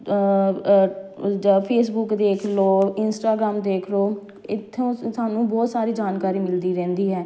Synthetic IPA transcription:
d͡ʒpʰeːs̬bʊkd̪eːkʰloːɪnsʈaːɡɾaːmd̪eːkʰloː | ɪt̪ʰːõːsaːnũːbɔːt̪saːɾiːd͡ʒaːnkaːɾiːmɪld̪iːɾɛ̃ːnd̪iːɦɛː

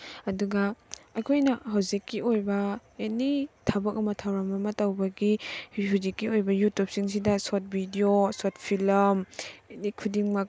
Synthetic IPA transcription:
ɐduɡɐɐkʰojnɐɦawzikːiojbɐjanitʰɐbɐk̚ɐmɐtʰawɾɐmɐmɐtɐwbɐɡihhawzikːiojbɐjutup̚siŋs̬idɐsot̚bʱidiosot̚pʰilɐmjanikʰudiŋmɐk̚

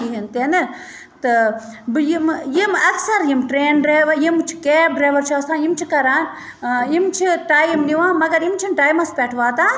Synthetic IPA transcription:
iɦint̪enɨ | t̪ɨbjimjimɐksɐɾjimʈɾeːnɖɾeːʋɐjimt͡ʃʰi̥keːp̚ɖɾaːʋɐɾt͡ʃʰaːsãːjimt͡ʃʰikɐɾaːn | imt͡ʃʰiʈaːjmniʋãːmɐɡɐɾimt͡ʃʰinʈaːjmɐspɛʈʰʋaːt̪aː

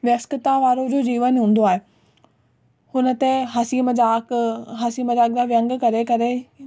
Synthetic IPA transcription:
ʋjɐkskɪt̪aʋaːɾod͡ʑoːd͡ʑiːʋənɦũːn̆d̪oaːɦeː | hʊnə̆t̪eɦɐsiːmd͡ʑaːkɦɐsiːməd͡ʑaːk̚d̪aʋjɐ̃ŋɡkɐɾekɐɾe

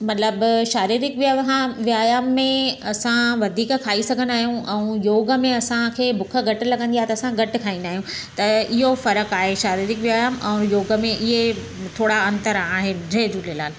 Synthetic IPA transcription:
mɐt̪ləbʃaːɾiːɾɪkʋaɦãʋiaːjaːmːẽɐsãʋɐd̪ʱiːkkʰaːisɐɡʱənaːɦijũʔɛ̃ũjoːɡə̆mẽɐsãkʰeːbʊkʰə̆ɡɐʈɪ̆lɐɡə̃nd̪iaɦt̪ɐsãɡɐʈɪ̆kʰaːĩnd̪aːɦijũt̪ɐɪɦofɐɾəkaːɦeʃaːɾiːɾɪkʋjaːjaːmɛ̃ːjoːɡə̆mẽʔɪɦe | t̪ʰoːɽaɐ̃nt̪əɾaːɦɪnd͡ʑʱɐɦd͡ʑuːlelaːn

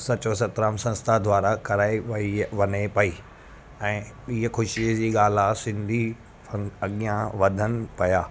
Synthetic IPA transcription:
sɐt͡ɕosɐt̪ɾaːmsɐ̃nst̪ʰad̪ʱʋaːɾakɐɾaːeiʋɐnepɐiː | ɛ̃ːɓiɦkʰʊʃid͡ʑiːɠaːl̤asɪ̃nd̪ʱi | ɐɐɠijãʋɐd̪ʱənɪ̆pɐjaː

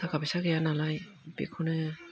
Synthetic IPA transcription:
akabisaɡɯjanalaj | bḛkʰɔnɯ

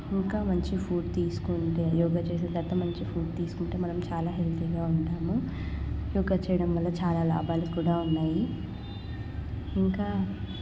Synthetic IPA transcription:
iŋkaːmɐɲt͡ʃipʰuːɖt̪iːsu̥kuɳʈejɔːɡaːt͡ʃe̞ːs̬nd̪ɐt̪ːɐmɐɲt͡ʃipʰuːɖ̚t̪iːsu̥kuɳʈeːmɐnɐmt͡ʃaːlaːɦelt̪ʰiɡaːuɳʈaːmu | jɔːɡaːt͡ʃɛjɐɽɐmʋɐlːɐt͡ʃaːlaːla̰ːbʱaːlukuːɽaːunːaːji | iŋkaː

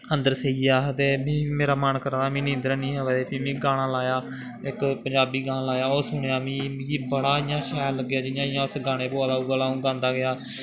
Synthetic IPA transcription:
ə̃nd̪əɾseːiːaːt̪eːbĩːmeːɾaːmənkəɾaːd̪aːmĩːnɪ̃ːnd̪əɾanĩːɦəʋɛːd̪eːpĩːmĩːɡaːɽ̃ãːlaːjaː | ɪkpə̃ɲd͡ʒaːbiːɡaːnãːlaːjaːosʊɳjaːmĩːiːbəɽaːɪːjãːʃɛːləɡːjaːd͡ʒɪjãːɪjãːʊsɡaːɽ̃ẽːboːaːd̪aːuɡaːlaːũːɡãːnd̪aːɡɪaː

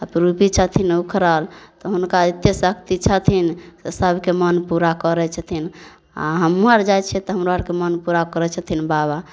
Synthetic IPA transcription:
əpɾupit͡ʃʰət̪ʰinukʰɾəlt̪ɔɦunkait̪ːesəkt̪it͡ʃʰət̪ʰinsesəbʱkemənpuɾakəɾɛt͡ʃʰət̪ʰin | a̰ɦəmuaɾd͡ʒajt͡ʃʰɛt̪ɔɦəmɾoaɾkemənpuɾakəɾɛt͡ʃʰət̪ʰinbaba

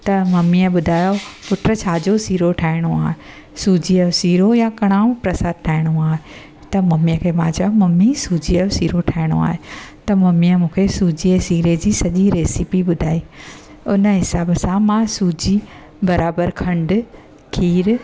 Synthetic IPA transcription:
t̪ɐmɐmiəɓʊd̪ʱaːjopʊʈɾət͡ɕʰaːd͡ʑosiːɾoʈʰaːɪɽ̃oaːɦe | suːd͡ʑiəosiːɾojãkɐɽ̃aːũpɾɐsaːd̪̚ʈʰaːɪɽ̃oaːɦe | t̪ɐmɐmiəkʰeːmãːt͡ɕaomɐmisuːd͡ʑiosiːɾoʈʰaːɪɽ̃o̰a̰ːɦet̪ɐmɐmiəmũːkʰesuːd͡ʑiəsiːɾed͡ʑiːsɐʄiɾeːsipiɓʊd̪ʱaːi | ʊnə̆ɦɪsaːbsãmãsuːd͡ʑi | bɐɾaːbəɾkʰɐ̃ɳɖ̆ | kʰiːɾ

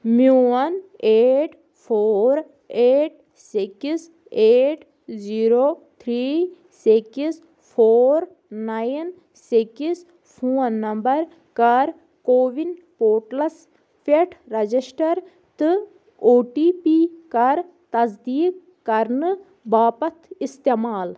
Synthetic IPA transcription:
muwɐneːʈ | pʰoːɾ | eːʈ̚ | sikis | eːʈ | ziːɾoːt̪ʰɾiː | sikis | pʰoːɾ | najn | sikis | pʰuːɐnːɐmbɐɾ | kɐɾ | koːʋin | poːʈlɐs | feʈʰɾɐd͡ʒisʈɐɾ | t̪ɨ | oːʈiːpiːkɐɾ | t̪ɐzd̪iːkː | ɐɾnɨ | baːpɐt̪ʰist̪emaːl

